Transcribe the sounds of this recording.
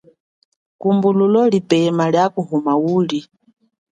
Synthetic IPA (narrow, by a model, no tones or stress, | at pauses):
kumbululɔlipɛmaljakuɦumawuːli